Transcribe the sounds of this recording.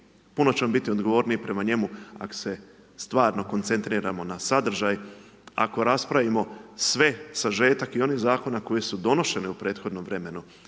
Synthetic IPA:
puno̞t͡ɕeambit̪io̞d̪ɡo̞ʋo̞ːɾniipɾe̞maɲe̞mua̰ko̥se̞ | st̪ʋaːɾno̞ko̞nt̪se̞nt̪ɾiːɾamo̞nasad̪r̩ʒaj | a̰ko̞ɾaspɾaʋimo̞sʋe̞saʒe̞ːt̪akio̞nizaːko̞nako̞je̞sud̪o̞no̞ʃe̞neupɾe̞ːt̪xo̞d̪no̞mʋɾe̞me̞nu

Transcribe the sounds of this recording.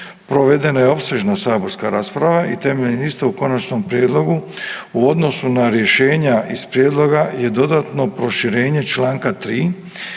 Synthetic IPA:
pɾo̞ʋe̞d̪e̞najeo̞pse̞ʒnasaːbo̞ɾskaɾaːspɾaʋaʔit̪e̞me̞ʎenist̪euko̞nat͡ʃno̞mpɾjeːd̪lo̞ɡu | uo̞d̪no̞sunaɾje̞ʃe̞ːɲaʔispɾjeːd̪lˠo̞ɡaje̞d̪o̞d̪aːt̪no̞pɾo̞ʃiɾe̞ːɲe̞t͡ʃlaːŋkat̪ɾiː

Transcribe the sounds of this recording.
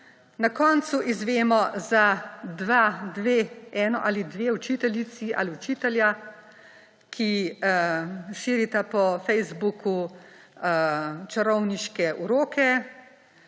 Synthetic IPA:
nakɔːnt̪suʔizʋeːmɔzad̪ʋad̪ʋeːɛːnɔʔaːlid̪ʋeːut͡ʃiːt̪ɛljit̪sia̰liut͡ʃiːt̪ɛlja | kʰi | ʃiːɾit̪apɔfɛjzbuku | t͡ʃɐɾɔwniʃkɛʔuɾoːkɛ

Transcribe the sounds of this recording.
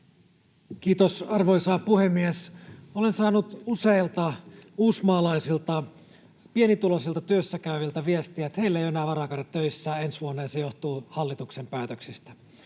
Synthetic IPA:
kiːt̪osɑrʋoisɑːpuhemːiesolensɑːnut̪useilt̪ɑuːsmɑːlɑisilt̪ɑ | pienit̪ulosilt̪ɑt̪yøsːækæyʋilt̪æʋiest̪iæt̪heilːæejoenæːʋɑrɑkɑnet̪ːøisːæːensʋuonːɑjɑsejoht̪uːhɑlːit̪uksempæːt̪øksist̪æ

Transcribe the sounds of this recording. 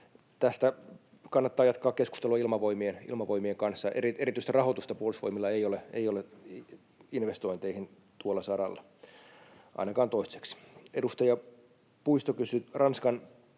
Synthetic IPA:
t̪æst̪æ | kɑnːɑt̪ːɑːjɑt̪̚kːˑɑːkkesku̥st̪eluɑilmɑʋoimienḭlmɑʋoimieŋkɑnsːɑʔeriʔeɾit̪yist̪irɑhot̪ust̪ɑpuolusʋoimilːɑeijoleḛijole | inʋest̪oint̪eihin | t̪uolːˑɑsɑɾɑlːɑ | ʔɑ̰inɑkɑːnt̪oisse̥ksedust̪ɑjɑ | puist̪okysyrʔɑnskɑn

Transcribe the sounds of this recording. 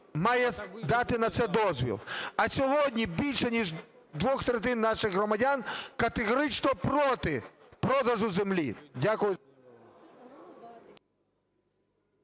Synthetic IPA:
mɑjɛd̪ɑt̪ɪnɐt̪sɛd̪ɔzʲʋʲḭlˠɐsʲɔɦɔdʲnʲibʲilʲʃɛnʲiʒ | d̪ʋɔxt̪ɾɛt̪̬ɪnːɑʃɪɣɣɾɔmɐdʲankɐt̪eɣɔɾɪt͡ʃnɔpɾɔt̪ɪ | pɾɔd̪ɐʒʊzemlʲḭdʲakʊjʊ

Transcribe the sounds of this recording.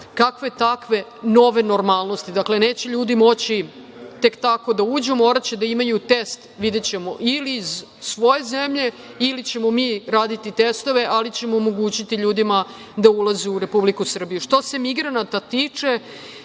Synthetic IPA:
kakʋet̪akʋe̞no̞ʋe̞no̞ɾmaːlˠno̞st̪id̪akle̞ne̞ːt͡ɕe̞ʎuːd̪imo̞t͡ɕi | t̪e̞kt̪ako̞d̪auːd͡ʑumo̞ːɾat͡ɕed̪aimajut̪e̞st̪ʋid̪et͡ɕe̞mo̞ʔiliːz | sʋo̞je̞zemʎe̞ | ilit͡ɕe̞mo̞miːɾaːd̪it̪it̪est̪o̞ʋe̞ʔalit͡ɕe̞moːmo̞ɡuːt͡ɕit̪iʎuːd̪ima | d̪aulˠazeuɾe̞publikusr̩bijuʂt̪o̞se̞miɡɾanat̪at̪iːt͡ʂe̞

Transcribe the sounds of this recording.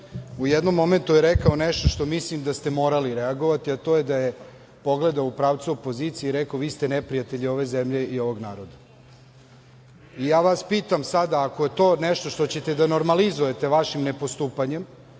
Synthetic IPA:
ujɛd̪no̞mːo̞me̞nt̪ujeɾekao̞neʃt̪o̞ʃt̪o̞mislimd̪ast̪emo̞ːɾaliɾeaɡo̞ʋat̪iat̪o̞ːjed̪aje | po̞ɡle̞d̪aoupɾaːʋt̪suo̞po̞ziːt̪sieiɾekaoʋiːst̪enepɾijat̪eʎio̞ʋe̞zemʎe̞io̞ʋo̞ɡnaːɾo̞d̪a | ijaːʋaspiːt̪amsad̪aːko̞je̞t̪o̞ːneʃt̪o̞ʃt̪o̞t͡ɕe̞t̪ed̪ano̞ɾmalizuje̞t̪e̞ʋaʃimnepo̞st̪uːpaɲe̞m

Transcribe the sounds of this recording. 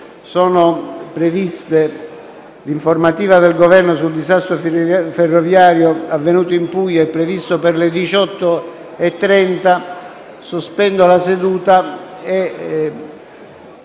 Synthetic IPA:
sɔːnopɾevist̪e | liɱformat̪iːvad̪elɡovɛrnos̬uld̪izast̪ɾoferːovjaːɾjoavːenuːt̪oimpujːoɛpːɾevist̪operlɪd̪it͡ʃɔt̪ːo | ɛt̪ːɾɛnt̪a | suspɛnd̪olased̪uːt̪ae

